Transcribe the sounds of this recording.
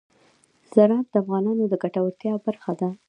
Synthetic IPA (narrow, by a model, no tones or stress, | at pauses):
z̥aɾɑf̚d̪əafɣɑnɑnod̪əɡaʈawəɾt̪jɑbaɾxad̪a